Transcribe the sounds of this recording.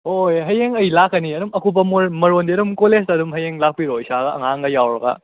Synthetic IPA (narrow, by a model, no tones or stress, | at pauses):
ojɦɐjeŋɐjlakɐniɐdumɐkubɐmuɾmɐɾondiɐɾumkolestɐdumɦɐjeŋlak̚piɾoisaɡɐʔɐŋaŋɡɐjawɾɐɡɐ̰